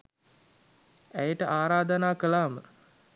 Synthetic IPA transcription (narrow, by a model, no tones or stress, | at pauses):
æjəʈəʔaːɾaːd̪ənaːkəlaːmə